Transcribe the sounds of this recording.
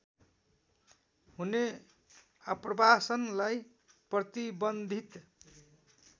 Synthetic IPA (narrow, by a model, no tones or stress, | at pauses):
ɦune | ʌprʌbasʌnlaj | prʌt̪ibʌnd̪ʱit̪